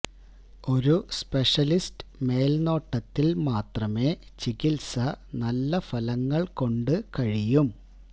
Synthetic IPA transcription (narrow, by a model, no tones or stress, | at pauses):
o̞ɾuspe̞ʂɐlistɨ̥me̞ːlno̞ːʈːɐt̪ːilmaːt̪rɐme̞ːt͡ɕikilsɐnɐlːɐfɐlɐŋːɐɭko̞ɳɖɨkɐɻijum